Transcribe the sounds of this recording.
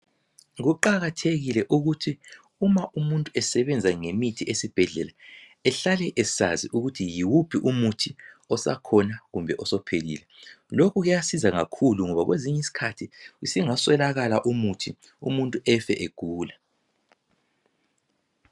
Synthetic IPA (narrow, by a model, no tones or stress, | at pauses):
ɣuǃaɣatʰeɣilɛʔuɣutʰi | umaʔumuntʼuɛsɛβɛnd͡zʱaŋemitʰiʔesib̥ʱɛɮɛla | ɛɬalɛʔei̥sa̰ziʔuɣutʰijiwupʰiʔumutʰi | ɔsa̰kʰɔnaɣumbʱɛʔɔsɔpʰelḭːlɛ | lokʰuɣujasizaŋakʰuluŋɔβaɣweziɲɛisi̥kʰatʰiisiŋaswɛlaɣalaʔumutʰi | umuntʼuɛfɛʔeɡ̥ʱuːla